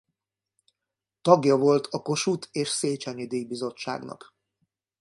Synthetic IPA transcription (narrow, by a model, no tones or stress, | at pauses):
t̪ɒɡjɒvo̞lt̪ʰɒko̞ʃut̪ʰeːʃseːt͡ʃɛɲid̪eːbizo̞t͡ʃːa̰ːɡnɒ̰k